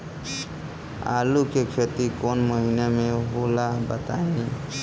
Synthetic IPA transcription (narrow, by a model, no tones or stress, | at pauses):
a̰lukekʰet̪ikonməɦinemẽbolabət̪aĩ